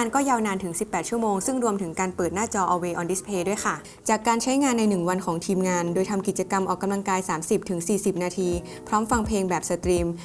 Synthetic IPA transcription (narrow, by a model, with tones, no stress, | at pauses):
a˧nkɔː˥˩jaː˧wnaː˧nt̪ʰɯ˩˦ŋsi˨˩pːɛː˨˩t̪̚t͡ɕʰu˥˩əmoː˧ŋsɯ˥˩ŋɾu˧əmt̪ʰɯ˩˦ŋkaː˧npɤː˨˩t̪̚naː˥˩t͡ɕɔː˧ʔɔː˧weː˧ʔɔː˧ndi˦˥spʰeː˧du˥˩əjkʰa˥˩ | t͡ɕaː˨˩kːaː˧nt͡ɕʰa˦˥jŋaː˧nːa˧jnɯ˨˩ŋwa˧nkʰɔː˩˦ŋt̪ʰiː˧mŋaː˧ndoː˧jt̪ʰa˧mki˨˩t̪̚t͡ɕa˧ka˧mʔɔː˨˩kːa˧mla˧ŋkaː˧jsaː˩˦msi˨˩p̚t̪ʰɯ˩˦ŋsiː˨˩si˨˩p̚naː˧t̪ʰiː˧ | pʰɾɔː˦˥mfa˧ŋpʰleː˧ŋbɛː˨˩p̚sa˧t̪ɾiː˧m